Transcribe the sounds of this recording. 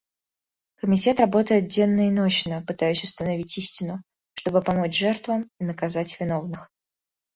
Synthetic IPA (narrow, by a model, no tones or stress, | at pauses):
kəmʲɪtʲe̞t̪rɐbo̞t̪əjɪt̪̚dʲenːəɪnot͡ɕnəpɨt̪ajʉsʲʊst̪ənɐvʲitʲisʲtʲɪnʊ | ʂt̪o̞bɨpɐmo̞t͡ɕʐɛrt̪vəminəkɐzatʲvʲɪno̞vnɨx